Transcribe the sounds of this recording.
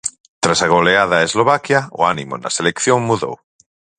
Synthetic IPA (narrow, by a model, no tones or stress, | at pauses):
t̪ɾasaɣ̞oleaðaezloβakjao̰animo̰na̰selekθjoŋmuðo̰w